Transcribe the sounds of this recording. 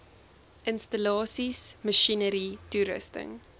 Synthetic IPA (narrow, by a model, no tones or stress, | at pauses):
ʔənstəlɑːsisməʃinəɾituɾə̰stə̰ŋ